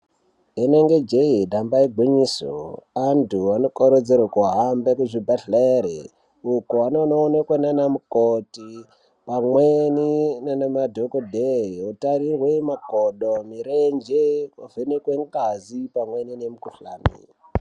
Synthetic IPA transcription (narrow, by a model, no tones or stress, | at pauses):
eneŋɡe̞d͡ʒeidʱambaiɡʱwiɲiso̰antʰuanokoɾod͡zerwakuɦambekuʐibʱaɬaeɾḛ | ukuanonoːnekwananamukoti | pamweninenamadʱokodʱeiotaɾirwemakoɗomiɾend͡ʒeovʱenekweŋɡazipamweninemukuɬa̰ːnḭ